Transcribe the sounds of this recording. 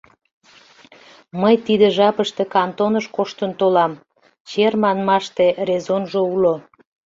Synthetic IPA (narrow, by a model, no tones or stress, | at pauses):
məjt̪id̪eʒɑpəʃt̪e̽kɑnt̪onəʃkoʃt̪ənt̪olɑm | t͡ɕermɑnmɑʃt̪erezonʒoulo